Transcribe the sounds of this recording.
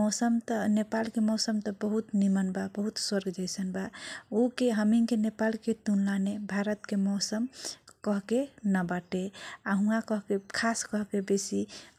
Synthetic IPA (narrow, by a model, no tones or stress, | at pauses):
mɔsəmt̪ənepalkemɔsəmt̪əbəɦut̪nimənbabəɦut̪swəɾɡd͡ʒəjsənbaokeɦəmiŋkenepalket̪unlanebʱaɾət̪kemɔsəmkəɦkenəbaʈeaɦũakəɦkekʰaskəɦkebesi